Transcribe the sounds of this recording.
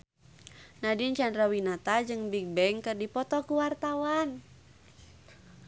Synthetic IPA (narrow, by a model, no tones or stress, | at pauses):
nadint͡ʃandɾawinat̪ad͡ʒɨŋbiɡ̚bɛŋkɨrdipɔt̪ɔkuwart̪awan